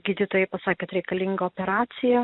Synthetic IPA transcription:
ɡʲiːd̪ʲɪt̪oːjɛɪpɐsɑːkʲɛːt̪ɾʲɛɪkɐlʲɪŋɡɐoːpʲɛɾɑːt̪sʲɪjɛ

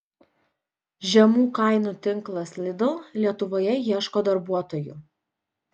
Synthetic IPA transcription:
ʒʲɛmuːkɐˑɪnuːt̪ʲɪŋˑklˠɐslʲɪd̪ɐʊlʲiɛt̪ʊʋoːjɛjiɛʃkoːd̪ɐɾbuɔt̪oːjʊ̰

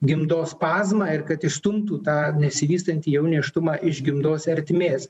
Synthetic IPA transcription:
ɡʲɪmd̪oːspɑːzmɑːɪɾkɐt̪ɪst̪ʊmt̪uːt̪ɑːnʲɛsʲɪʋʲiːst̪ɐnʲt̪ʲiːjɛʊnʲiːʃt̪ʊmɑːʔɪʒɡʲɪmd̪oːsɛɾʲt̪ʲmʲeːs

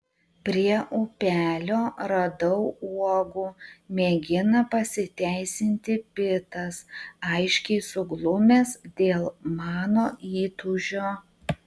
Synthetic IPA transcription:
pʲɾʲiɛʔuːpʲæːlʲoːɾɐd̪ɐʊuɔɡuːmʲeːɡʲɪnɐpɐsʲɪt̪ʲæˑɪsʲɪnʲt̪ʲɪpʲɪt̪ɐsɐɪʃʲkʲɛɪsʊɡlˠʊmʲeːsd̪ʲeːlˠmɑːnoːʔiːt̪ʊʒʲoː

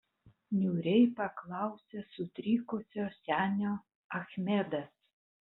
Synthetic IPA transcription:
nʲuːɾʲɛɪpɐklˠɑˑʊsʲesʊt̪ʲɾʲiːkʊsʲoːsʲæːnʲoː | ɐxʲmʲed̪ɐs

